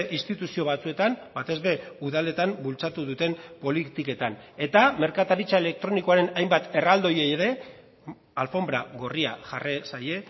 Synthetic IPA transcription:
ʔinst̪it̪usio̞β̞at͡sue̞t̪ambat̪e̞zβe̞uðale̞t̪ambult͡sat̪uðut̪e̞mpo̞lit̪ike̞t̪ane̞t̪ame̞ɾkat̪aɾit͡sae̞le̞k̚t̪ɾo̞niko̞aɾe̞najmbat̪e̞rald̪o̞je̞eɾe̞ | alfo̞mbɾaɣo̞ria̰ʝaresaje̞

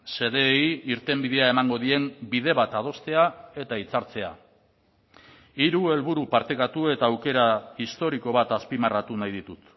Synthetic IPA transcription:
se̞ðe̞ːjiɾt̪e̞mbiðe̞ae̞maŋɡo̞ðie̞mbiðe̞βat̪að̞o̞st̪e̞ae̞t̪ait͡saɾt͡se̞a̰ | iɾue̞lβuɾupaɾt̪e̞kat̪ue̞t̪aːwke̞ɾaist̪o̞ɾiko̞βat̪aspimarat̪unajðit̪ut̪

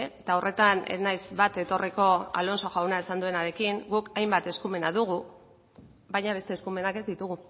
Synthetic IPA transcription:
t̪aorʔe̞t̪anḛnajzβat̪e̞t̪o̞riko̞a̰lo̞nso̞ʝawnaesand̪ue̞naɾe̞kiŋɡukajmbat̪e̞skume̞naðuɣ̞u | βajɲaβe̞st̪e̞ːskume̞nake̞zd̪it̪uɣu

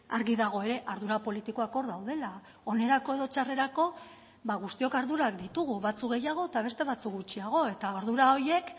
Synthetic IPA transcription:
aɾɣiðaɣ̞o̞e̞ɾe̞ʔaɾðuɾapo̞lit̪iko̞ako̞ɾðawðe̞la | o̞ne̞ɾako̞e̞ðo̞t͡ʃare̞ɾako̞ | βaɣust̪io̞kaɾðuɾakd̪it̪uɣ̞uβat͡sukɡɣejaɣ̞o̞et̪aβ̞e̞st̪e̞β̞at͡suk̚ɡut͡ʃiaɣ̞o̞e̞t̪aoɾðuɾao̞je̞k

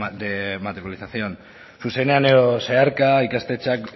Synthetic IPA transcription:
d̪emat̪eɾjalisasio̞n | suse̞ne̞ane̞ðoseaɾkaikast̪e̞t͡ʃak

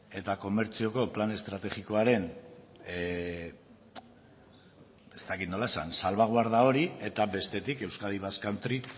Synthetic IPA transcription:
e̞t̪ako̞me̞ɾt͡sio̞ko̞plane̞st̪ɾat̪e̞ɣiko̞aɾe̞n | e̞st̪akit̪no̞lae̞sa̰nsalβaɣ̞waɾðao̞ɾie̞t̪aβe̞st̪e̞t̪ike̞wskaðiβaskant̪ɾi

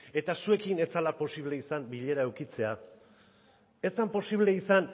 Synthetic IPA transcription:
e̞t̪asue̞kine̞t͡salapo̞siβ̞le̞isambiʎe̞ɾaewkit͡se̞a | e̞st̪ampo̞siβle̞isan

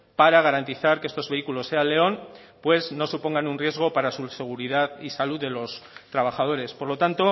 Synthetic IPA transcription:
paɾaɣ̞aɾant̪iθaɾkee̞st̪o̞zβe̞ikulo̞sːe̞alːe̞o̞npwe̞zno̞supo̞ŋɡanunrje̞zɣ̞o̞paɾasuse̞ɣ̞uɾiðaðisaluðe̞lo̞st̪ɾaβ̞axað̞o̞ɾe̞spo̞ɾlo̞t̪ant̪o̞

